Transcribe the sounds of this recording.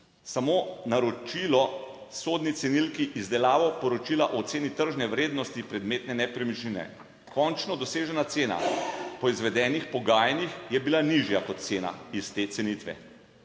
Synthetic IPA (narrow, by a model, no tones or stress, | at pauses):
samonaɾɔt͡ʃilɔsod̪nit̪sɛnilkiʔizd̪ɛlaːʋɔpɔɾɔt͡ʃilaʔɔt̪seːnit̪əɾʒnɛʋɾeːd̪nɔst̪ipɾɛd̪meːt̪nɛnɛpɾimiʃlinɛ̰ | kɔnt͡ʃnɔd̪ɔseːʒɛnat̪seːna̰pɔizʋɛd̪ɛːnixpɔɡaːjɛnixjɛbilaniʒjakɔt̪̚t̪seːna̰ist̪et̪sɛnit̪ʋɛ̰